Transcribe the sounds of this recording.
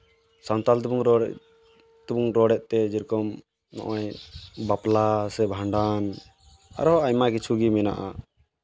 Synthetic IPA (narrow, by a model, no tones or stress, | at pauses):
sant̪alt̪ubuŋɾɔ | t̪ubuŋɾɔɖɛʔ̪̚t̪ɛd͡ʒiɾkɔm | nɔ̰ʔɔjbaplasɛbʱaɳɖan | a̰ɾɔajmakit͡ʃʰuɡimɛna̰ʔa